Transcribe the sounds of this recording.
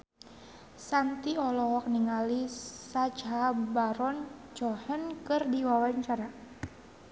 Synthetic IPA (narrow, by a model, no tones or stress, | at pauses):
sant̪iɔlɔɦɔk̚niŋalisad͡ʒɦabaɾɔnt͡ʃɔhənkɨrdiwawaɲt͡ʃaɾa